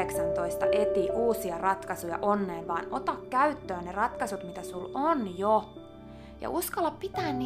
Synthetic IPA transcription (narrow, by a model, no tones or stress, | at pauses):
eksɑnt̪oist̪ɑʔet̪iʔuːsiɑrɑt̪kɑsujɑ̰ʔonːeːʋʋɑːno̰t̪ɑkkæyt̪ːøːnnerɑt̪kɑsut̪mit̪æsulonjo | jɑ̰ʔuskɑlːɑppit̪æːnni